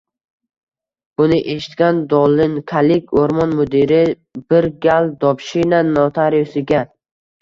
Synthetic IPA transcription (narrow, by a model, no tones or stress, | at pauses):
b̥ʊnɪʔe̞ʃɪ̥t̪kʲand̪ɒlɪnkʰalɪkʲoɾmɒnmod̪iɾɪ | bɪɾɡʲald̪ɒpʃinanɒt̪ʰaɾjosɪɡʲa